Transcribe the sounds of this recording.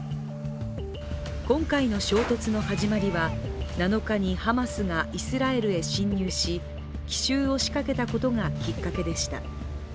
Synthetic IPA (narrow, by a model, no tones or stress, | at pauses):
kõ̞ŋkaino̞ɕo̞ːt̪o̞t͡sɨno̞haʑimaɾʲiβanano̞kaɲ̟ihamasɨɡaʔisɨɾae̞ɾɯ̟e̞ɕĩɲ̟ːɨːɕi | kʲi̥ɕɨːo̞ɕi̥kake̞t̪ako̞t̪o̞ŋakʲikːake̞d̪e̞ɕi̥t̪a̰